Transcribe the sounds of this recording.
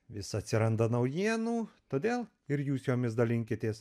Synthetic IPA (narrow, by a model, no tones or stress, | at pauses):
ʋʲɪsɐt̪ʲsʲɪɾɐnd̪ɐnɐʊjiɛnuːt̪oːd̪ʲeːlˠ | ɪɾjuːsjoːmʲɪsd̪ɐlʲɪŋʲkʲɪt̪ʲeːs